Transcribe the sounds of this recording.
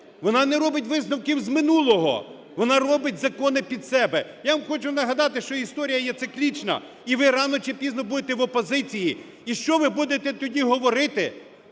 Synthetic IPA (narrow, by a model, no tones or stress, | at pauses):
ʋɔnɑnɛɾɔbɪt̬̚ʲʋɪznɐwkiwzmɪnulˠɔɦɔ̰ | ʋɔnɑɾɔbɪtʲzɐkɔnɪpʲid̪sɛbɛjaʋɐmxɔt͡ʃʊnɐɦɐd̪ɑt̪ɪʃt͡ʃɔist̪ɔɾʲijɐjɛt̪sɪklʲit͡ʃnɐ̰ | iʋɪɾɑnɔt͡ʃɪpʲiznɔbud̪et̪ɛʋɔpɔzɪt͡sʲiji | iʃt͡ʃɔʋɪbud̪et̪ɛt̪ɔdʲiɦɔʋɔɾɪt̪ɪ